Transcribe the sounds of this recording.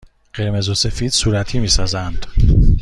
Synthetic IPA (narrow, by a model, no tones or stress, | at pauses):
ɢ̥e̞ɾme̞zose̞fiːd̪̥suːɾæt̪ʰiːmiːsɒːzænd̪̥